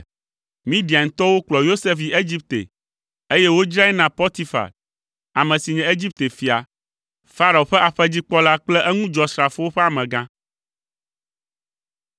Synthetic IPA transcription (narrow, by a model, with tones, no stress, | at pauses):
mĩ˦ɖi˨a˨ŋ̩˨t̪ɔ˦wo˦k͡plɔ˨jo˦se˦fi˨e˦d͡ʑi˦p̚t̪ḛ˨ | e˦jɛ˦wo˦d͡ʒɾa˦ɛ˦nã˨pɔ˦t̪i˦fa̰˨l | a˨mɛ̃˨si˨ɲɛ̃˨e˦d͡ʑi˦p̚t̪e˨fi˨a̰˨ | fa˦ɾa˨o˨ɸɛ˦ʔa˨ɸɛ˦d͡ʑi˦k͡pɔ˦la˦k͡plɛ˦ʔɛ˦ŋũ˦d͡ʒɔ˨sɾa˨fo˦wo˦ɸɛ˦a˨mɛ̃˨ɡã˦